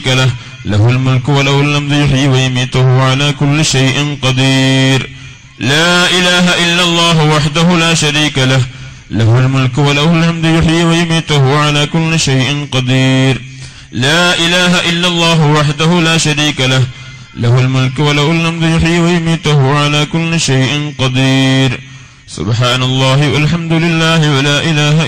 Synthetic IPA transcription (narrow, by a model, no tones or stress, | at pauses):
kalah | lahlmʊlkwalahʊlːamd̪jʊħɪːwajʊmiːt̪ʊhʊʕalaːkʊlːɪʃajʔɪnqɑd̪iːɾ | laːʔɪlaːɦaʔɪlːalˤːɑːɦʊwaħd̪ahʊlaːʃaɾiːkalah | lahʊlmʊlkwalahʊlhamd̪jʊħiːwajʊmiːt̪ʊhʊʕalaːkʊlːɪʃajʔɪnqɑd̪iːɾ | laːʔɪlaːɦaʔɪlːalˤːɑːɦʊwaħd̪ahʊlaːʃaɾiːkalah | lahʊlmʊlkwalahalhamd̪ʊjʊħiːwajʊmiːt̪ʊhʊʕalaːkʊlːɪʃjʔɪnqɑd̪iːɾ | sʊ̰bħaːnalˤːɑːɦɪwalħamd̪ʊlɪlːaːhɪwalaːʔɪlaːɦa